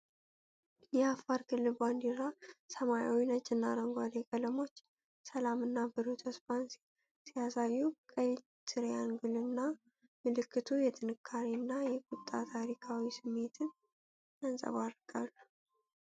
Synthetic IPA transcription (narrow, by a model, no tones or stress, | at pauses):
jɛafaɾkʰɨlːɨband̪iɾasəmaja̰winəd͡ʒʼɨnːaɾəŋɡʷad̪ekʼələmo̞t͡ʃː | səlamɨnːabɨɾot̪ʰəspansi | sijasajːukʼəi | t̪ʰɨɾjanɡulɨnːa | mɨlɨkːɨt̪ʰujɛt̪ʰɨnɨkʰːaɾinːajɛkʼʊt̪ʼːat̪ʰaɾikʰawisɨmːe̞t̪ʰɨn | ansʼə̰βaɾɡ̥alːu